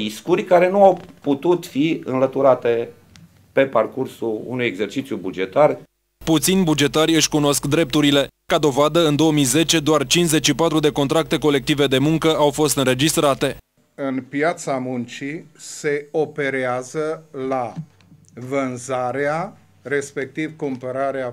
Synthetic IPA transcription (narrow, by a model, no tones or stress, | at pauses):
iskurʲkaɾe̞nuawput̪ut̪fiɨ̰nlət̪uɾat̪e̞ | pe̞parkursulṵnujeɡse̞rt͡ʃit̪sʲjubud͡ʒe̞t̪ar | put̪sinʲbud͡ʒe̞t̪arʲɨʃʲkuno̞skd̪ɾe̞p̚t̪uɾile̞kad̪o̞vad̪əɨnd̪o̞omijze̞t͡ʃe̞d̪oart͡ʃinze̞t͡ʃʲʃipat̪ɾud̪e̞ko̞nt̪ɾak̚t̪e̞ko̞le̞k̚t̪ive̞d̪e̞muŋkəawfo̞st̪ɨnɾe̞d͡ʒist̪ɾat̪e̞ | ɨnpjat̪samunt͡ʃise̞ope̞ɾeazəla | vənzaɾea | re̞spe̞k̚t̪ivkumpəɾaɾea